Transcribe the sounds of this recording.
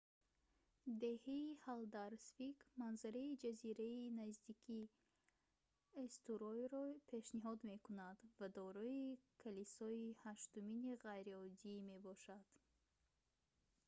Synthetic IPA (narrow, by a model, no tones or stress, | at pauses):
d̪e̞heihald̪aɾsfikmanzaɾaid͡ʒaziɾainazd̪ikʰi | est̪uɾɔjɾɔpʰe̞ʃniɦɔd̪me̞kunad̪vad̪ɔɾɔikʰalisɔihaʃt̪uminiʁajɾiɔd̪ime̞bɔʃad̪̥